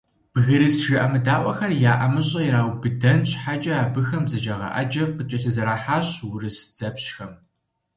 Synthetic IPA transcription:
b̥ɣɨɾɨsʒɪʔɐmɨdaːʔʷʼɔxɐrjaːʔɐmɨɕʼɐiɾaːwbɨdɐnɕʼħad͡ʒʼɐaːbɨxɐmzɐd͡ʒaːʁɐ̰ʔa̰d͡ʒɐvqət͡ʃʼɐɬɨzɐɾaːħaːɕwʊrɨsd͡z̥ɐpɕxɐm

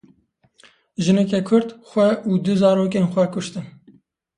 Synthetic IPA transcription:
ʒɨnɛk̬ɛkʰʊɾd̪xʷɛuːd̪ɨzɑːɾoːk̬eːnxʷɛkʊʃt̪ɨn

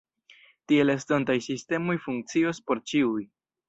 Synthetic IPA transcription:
tie̞lestontajsiste̞mo̞jfuŋk̚t͡sio̞spo̞ɾt͡ʃiuj

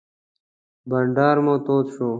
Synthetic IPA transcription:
bəɳɖaːɾmõːt̪oːt̪ɕoː

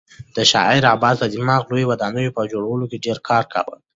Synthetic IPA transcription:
d̪̥əʃɑ̰ɪɾɑbɑd̪t̪ad̪imɑɣlojwad̪ɑnəjopəd͡ʒoɽawəlokeɖeɾkʰɑɾka̰wə̰l

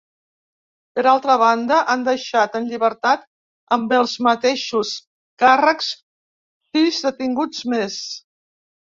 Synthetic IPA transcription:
pəɾalˠt̪ɾəβ̞and̪əʔand̪əʃat̪ənʎiβəɾt̪at̪ | əmbəlˠzmət̪eʃus | karəks | sizðət̪iŋɡud͡zmes

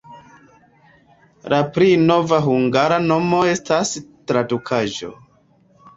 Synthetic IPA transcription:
lapɾino̞vaɦuŋɡaɾano̞mo̞e̞stastɾadukʰaʒo̞̰

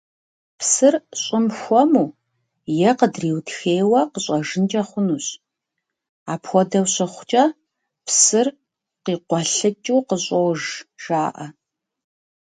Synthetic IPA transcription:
psɨrɕʼɪmxʷɔmuː | jɛqədriːwtʰxeːjwɐqəɕʼɐʒɨnt͡ʃʼɐχʷʊnuːɕ | aːpʰxʷɔdɐwɕɐχʷt͡ʃʼɐ | pʰsɨr | qiːqʷɔɬɨt͡ʃʼuwqəɕʼɔwʒʒ̥aːʔɐ

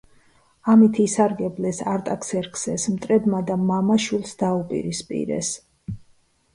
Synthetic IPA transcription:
amit̪ʰiːsaɾɡɛblɛsaɾt̪ʼakʰsɛɾkʰsɛsmt̪ʼɾɛbmad̪amamaʃulˠsd̪aupʼḭɾispʼḭɾɛ̰s

